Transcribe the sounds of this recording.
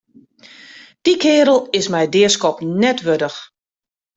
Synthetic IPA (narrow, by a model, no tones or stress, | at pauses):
d̥ikʰɪːɾəlˠɪsmɛjdɪəskɔpnɛtʋødəx